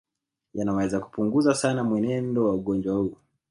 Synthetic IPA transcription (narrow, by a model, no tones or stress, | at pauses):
janawɛzaku̥puŋɡuzasanamwɛnɛndɔwauɠɔnd͡ʒwahuː